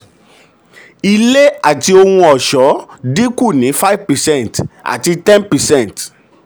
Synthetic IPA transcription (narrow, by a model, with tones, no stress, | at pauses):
i˧le˦a˨ti˧o˧hũ˧ɔ˨ʃɔ˨˦di˦ku˦˨nĩ˨˦fa˦i˦vpɛ˨sɛ̃˦˨nta̰˨ti˧tɛ̃˦npɛ˨sɛ̃˦˨nt